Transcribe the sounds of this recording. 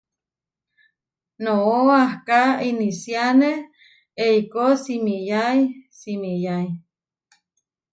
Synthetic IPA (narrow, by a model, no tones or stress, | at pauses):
nooahkainisjaneh | eikosimijajsimijai